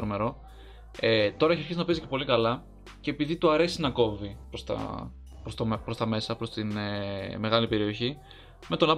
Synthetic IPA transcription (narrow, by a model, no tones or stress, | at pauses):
ɾome̞ɾo̞ | et̪o̞ɾɐeçiɐɾçizinɐpe̞zice̞po̞likɐlɐ | ce̞ːpiðit̪uɐɾe̞sinɐko̞vipɾost̪ɐ̰ | pɾost̪opɾo̞st̪ɐme̞sɐpɾo̞st̪ineme̞ɣɐlipe̞ɾio̞çi | me̞t̪o̞nɐp